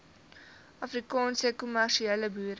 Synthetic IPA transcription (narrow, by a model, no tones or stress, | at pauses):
ʔɐfrikɑːnsəkumærʃiɛləbuːɾ